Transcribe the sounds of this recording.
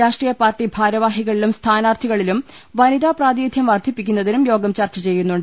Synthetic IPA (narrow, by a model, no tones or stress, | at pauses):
ɾaːʂʈriːjɐpaːrʈːibʱaːɾɐʋaːɦiɣɐɭilumst̪ʰaːnaːrt̪ʰiɣɐɭilum | ʋɐnid̪aːpraːd̪jeːd̪ʱjɐmʋɐrd̪ʱipːikʲːunːɐðinumjo̞ːɡɐmt͡ɕɐrt͡ɕːɐt͡ɕe̞jːunːuɳɖ